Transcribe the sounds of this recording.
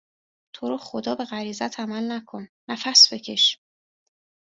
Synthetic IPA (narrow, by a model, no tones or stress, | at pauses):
t̪ʰo̞ɾoːxod̪ɒːbe̞ɣæɾiːzæt̪ʰæmælnækʰo̞nːæfæsb̥e̞cʰe̞ʃ